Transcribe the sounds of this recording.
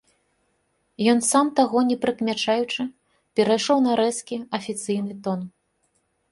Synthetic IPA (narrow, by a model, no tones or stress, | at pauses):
jɔnsamt̪aɣɔnʲɛpɾɨkmʲat͡ʂajut͡ʂɨ | pʲɛɾajʂɔwnɐɾɛskʲiɐfʲit̪sɨjnɨt̪ɔn